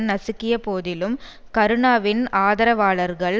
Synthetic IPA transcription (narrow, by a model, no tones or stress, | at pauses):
nɐsɯkːɪjɐpoːðɪlɯm | kɐɾɯɳaːʋɪnaːðɐɾɐʋaːɭɐɾɣɐɭ